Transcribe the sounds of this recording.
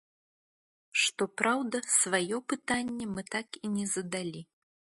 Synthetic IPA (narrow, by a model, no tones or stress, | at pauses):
ʂt̪ɔpɾawd̪ɐsvajɔpɨt̪anʲːɛmɨt̪akinʲɛzɐd̪alʲi